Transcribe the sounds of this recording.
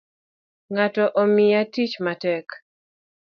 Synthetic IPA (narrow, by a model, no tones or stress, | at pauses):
ŋatɔʔomɪatit͡ʃmatɛk